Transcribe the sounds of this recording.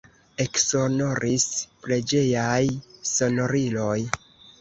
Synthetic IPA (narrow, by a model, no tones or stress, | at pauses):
e̞ksono̞ɾʔispɾe̞d͡ʒe̞jajso̞no̞ɾilo̞j